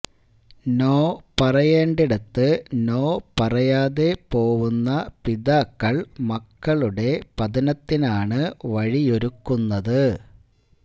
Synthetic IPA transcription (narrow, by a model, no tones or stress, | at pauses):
no̞ːpɐrɐjeːɳɖiɽɐt̪ːɨno̞ːpɐrɐjaːðe̞po̞ːʋunːɐpiðaːkːɐɭmɐkːɐɭuɽe̞pɐd̪ɐnɐt̪ːinaːɳɨʋɐɻijo̞ɾukːunːɐðɨ